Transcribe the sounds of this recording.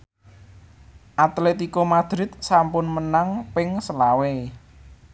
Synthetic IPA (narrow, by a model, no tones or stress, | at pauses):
ʔat̪let̪ikomad̪̥ɾɪt̪̚sampʊnmənaŋpɪŋsəlawe